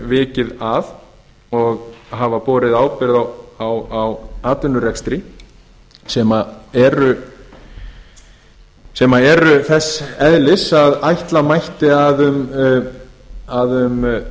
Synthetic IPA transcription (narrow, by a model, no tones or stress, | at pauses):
vɪːcɪðað | ɔɣɦavapɔːɾɪðaːwpɪɾðawwawaːt̪ʏnːʏɾɛkst̪ɾi | sɛmaɛɾʏ | sɛmaɛɾʏθɛsɛðlɪsaðajht̪lamajht̪ɪaðʏm | aðʏm